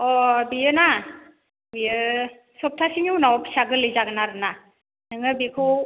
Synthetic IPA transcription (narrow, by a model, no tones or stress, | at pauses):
ɔbijɯna | bijɯ | sɔp̚tʰasiŋuwnawɔpʰi̥saɡɯlɯjzaɡɯnaɾɯna | nɯŋɯbikʰɯw